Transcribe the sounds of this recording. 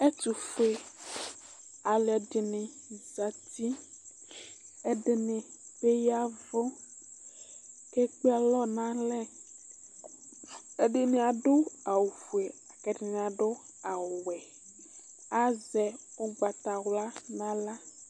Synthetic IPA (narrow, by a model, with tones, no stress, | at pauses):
e˦t̪u˨fe˦ | a˨lɛ˨ɖe˨nẽ˨za˨t̪i˦ | e˦ɖe˨nẽ˨be˦ja˦vɔ˦ | ke˦k͡pe˦a˨lɔ˦nã˦lɛ˦ | e˦ɖe˦nẽ˦a˨ɖo˦a˨wu˨ɸu˨e˨a˨kɛ˨ɖe˨nẽ˨a˨ɖo˦ | a˨wɛ˨ | a˦zɛ˨wo˦ɡ͡ba˨t̪a˨wla˦nã˦la˦